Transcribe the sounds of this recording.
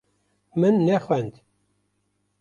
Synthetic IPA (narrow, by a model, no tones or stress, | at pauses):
mənːæχʷænd̪